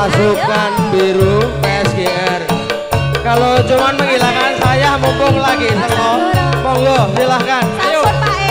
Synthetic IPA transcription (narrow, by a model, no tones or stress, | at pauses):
asukanbeɾupɛsɡeʔɛr | kalot͡ʃumanməŋilakansajahmumbʊŋlaɡisəŋɔmɔŋɡɔsilahkankajo